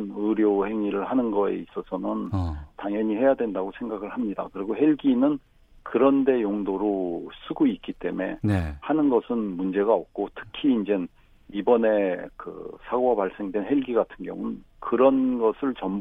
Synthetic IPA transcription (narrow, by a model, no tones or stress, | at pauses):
nɯɾjohe̞ŋiɾɯɭhanɯnɡʌḛis͈ʌsʰʌnɯntaŋjʌɲihe̞jadwe̞ndaɡosʰe̞ŋɡaɡɯɭhamɲida̰kɯɾiɡoɦe̞ɭɡinɯn | kɯɾʌnde̞joŋdoɾos͈ʰɯɡoik͈it͈e̞̰me̞nhanɯnɡʌsʰɯnmund͡ʑe̞ɡaʌk̚k͈otʰɯ̥kʰiːnd͡ʑe̞n | ibʌne̞kɯ̰sʰaɡoɡapaɭs͈e̞ŋdwe̞nhe̞ɭɡiɡatʰɯnɡjʌ̰ŋunn | kɯɾʌnɡʌsʰɯɭt͡ɕʌm